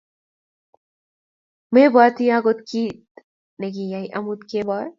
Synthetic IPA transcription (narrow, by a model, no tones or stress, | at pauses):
mebat̪ʰijaɡot̪kit̪ | neɡijajʔɐmut̪kebɔɾ